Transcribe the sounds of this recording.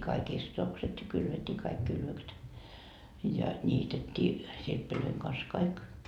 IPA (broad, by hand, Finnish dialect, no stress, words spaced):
kɑik istotokset jɑ kylʋetːiː kɑik kylʋøkset jɑ nʲiːtetːiː sirpːiløiŋ kɑns kɑik